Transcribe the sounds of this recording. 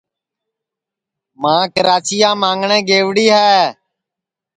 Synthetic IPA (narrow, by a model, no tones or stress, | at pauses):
mãːkəɾaːt͡ʃiːãːmãːŋɡɳẽːɡeːʋɽiːɦɛː